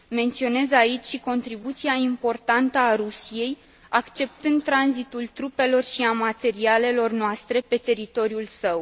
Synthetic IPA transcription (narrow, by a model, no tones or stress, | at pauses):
me̞nt̪sio̞ne̞zait͡ʃʲʃiko̞nt̪ɾibut̪siaimpo̞rt̪ant̪əaɾusije̞j | akt͡ʃe̞p̚t̪ɨnd̪t̪ːɾanzit̪ult̪ɾupe̞lo̞rʃiamat̪e̞ɾiale̞lo̞rnoast̪ɾe̞pe̞t̪e̞ɾit̪o̞ɾiulsəw